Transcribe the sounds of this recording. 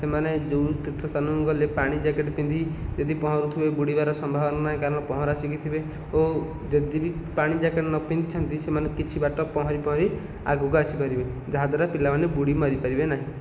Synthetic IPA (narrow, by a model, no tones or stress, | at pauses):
semaned͡ʒowt̪it̪ʰɔsanuɡɔlepaɽ̃id͡ʒakeʈpĩnd̪ʱid͡ʒed̪ipɔɦɔ̃ɾut̪ʰibebuɽibaɾɔsɔmbʱabɔnanaɦĩkaɾɔɽ̃ɔpɔɦɔ̃ɾasikit̪ʰibe | o | d͡ʒed̪ibipaɽ̃id͡ʒakeʈnɔpind̪it͡ʃʰɔnt̪isemanekit͡ʃʰibaʈɔpɔɦɔɾipɔɦɔɾi | a̰ɡuɡɔasipaɾibed͡ʒaɦad̪ʱaɾapilabanebuɽimɔɾipaɾibenaɦĩ